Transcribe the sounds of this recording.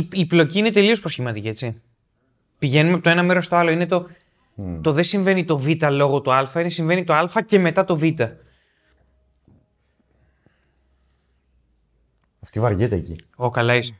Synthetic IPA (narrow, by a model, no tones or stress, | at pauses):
iplo̞ciine̞t̪e̞lio̞spɾosçimɐt̪iciet͡si | piʝe̞numepot̪oe̞nɐme̞ɾo̞st̪o̞ɐlo̞ine̞t̪o̞ | t̪o̞ðe̞siɱve̞nit̪o̞vit̪ɐlo̞ɣo̞t̪oɐlfɐinesiɱve̞nit̪o̞ɐlfɐce̞me̞t̪ɐt̪o̞vit̪ɐ | ɐft̪ivɐɾʝet̪eecḭokɐlɐis